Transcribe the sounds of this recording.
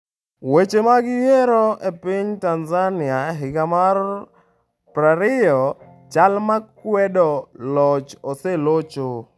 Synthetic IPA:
wet͡ʃemaɡɪjeɾɔepiɲtanzanɪaɦɪkamar | pɾaɾɪjɔ | t͡ʃalmakwɛdɔlɔt͡ʃoselot͡ʃo

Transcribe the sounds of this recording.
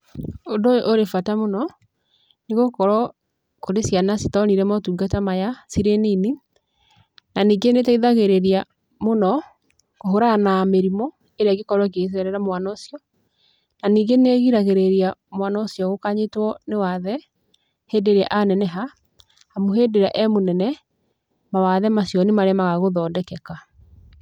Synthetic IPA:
ondojoʔoɾefatamonɔ | neɣokɔɾɔ | koɾesianasitɔniɾɛmatuɡatamajasiɾenini | naniːɡenetaiðaɣeɾeɾa | monɔ | koɦoɾanameɾimɔ | eɾeaɡekɔɾwɔk̬es̬ɛɾɛɾamwanaosiɔ | naniːɡeneɣiɾaɣeɾeɾiamwanaosjɔɣokaɲetwɔnewaðɛ | hedeɾeaʔanɛnɛɦa | hamoɦedeɾa̰ʔɛmonɛnɛ | mawaðɛmasjɔnemaɾeamaɣaɣoðɔːdɛkɛka

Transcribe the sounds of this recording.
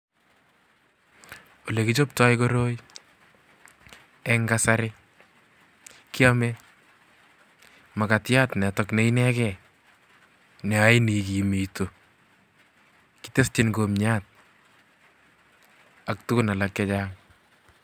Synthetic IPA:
olekit͡ʃop̚tɔjkoɾoj | ɛŋɡasaɾɪ | kiamɛ | makatjatnɛtɔkneinɛkɛ | nɛajnikimito | kitestɪnkomɲat̚ | ak̚tʊkʊnalakːɛt͡ʃaŋ

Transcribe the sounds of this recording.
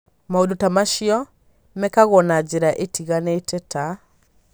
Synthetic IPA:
maondotamaʃiɔ | mɛkaɣɔnad͡ʑeɾaʔetiɣanetɛta

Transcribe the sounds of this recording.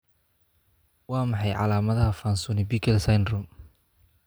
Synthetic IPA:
wɑːmɑħɑjʕɑ̰laːmɐðɐɦɐfaːnsuːnɪbiːkʰɛlsajndrʊm

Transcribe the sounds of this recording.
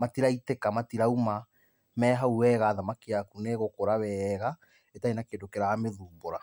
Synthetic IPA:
matiɾaitekamatiɾauma | mɛːɦauwɛɣaːðamakiakuneɣokoɾawɛɣa | etainakedokeɾaameðuːboɾa

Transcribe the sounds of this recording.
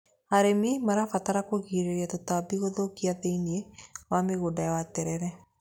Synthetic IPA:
haɾemimaɾafataɾakoɣiɾeɾiatotabiɣoðokiaðeiniewameɣodaawatɛɾɛɾɛ

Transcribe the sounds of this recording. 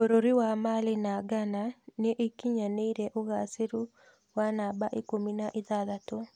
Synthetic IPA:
oɾoɾiwamalenaɡananeʔekiɲaneiɾɛʔoɣaseɾu | wanabaʔekominaʔeðaðato

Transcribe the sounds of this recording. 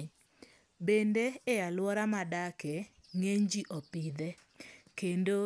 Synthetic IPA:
bendeɛalwɔɾamadakɛ | ŋeɲd͡ʒiʔɔpɪd̪ɛ | kendo

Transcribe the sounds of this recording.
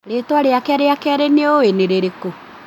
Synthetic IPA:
ɾetwaɾeakɛaɾeakɛaɾeneoeneɾeɾeko

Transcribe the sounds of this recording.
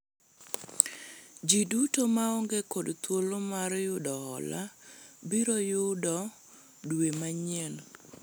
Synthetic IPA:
d͡ʒidutomaɔŋɡekodt̪wolomarjʊdɔhɔ̰la̰biɾojʊdɔ | dwemaɲɛn

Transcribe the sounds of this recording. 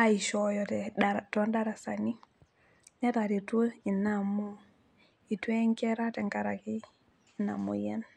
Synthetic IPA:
aiʃojɔtɛtondaɾasani | netaɾitoinamu | itweŋkɛɾatɛŋkaɾaki | ina̰mṵjen

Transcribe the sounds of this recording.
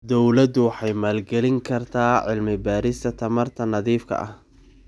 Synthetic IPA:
d̪ɔwlɐd̪ʊwɑħɑjmaːlɡɛlɪŋkʰɐrt̪ʰaːʕɪlmɪbaːɾɪst̪ʰɐt̪ʰɐmɐrt̪ʰɐnɐðiːfkʰɐ̰ʔɐ̰h

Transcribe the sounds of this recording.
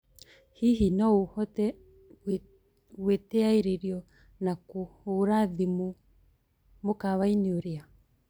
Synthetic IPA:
hiɦinɔohɔtɛ | wetɛaiɾeɾjɔ | nakooɾaðimo | mokaβaineoɾea

